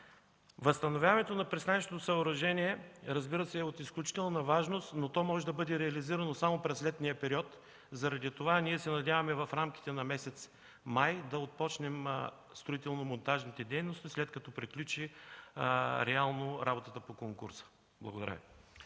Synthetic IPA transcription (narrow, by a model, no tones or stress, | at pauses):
vɐst̪ɐnovʲjavɐnɛt̪onɐpɾist̪anʲɛʃt̪ot̪osɐʊɾɐʒɛniɛɾɐzbiɾəsɛːot̪isklʲut͡ʃi̥t̪ɛlˠnɐvaʒnost̪not̪ɔmɔʒɛd̪ɐbɤd̪ɛɾɛɐliziɾɐnosamopɾɛslɛt̪nijəpɛɾiɔt̪ | zɐɾɐd̪it̪ovaniɛsɛnɐd̪ʲavɐmɛvɐfɾamk̟i̥t̪ɛnɐmɛsɛt̪s | majd̪ɐot̪̚pɔt͡ʃnɛm | st̪ɾoit̪ɛlˠnomont̪aʒnit̪ɛd̪ɛjnost̪islɛt̪̚kɐt̪ɔpɾiklʲut͡ʃi | ɾɛalˠnoɾabot̪ət̪əpokoŋkṵɾsə̥ | blˠɐɡod̪ɐ̰ɾa̰v̰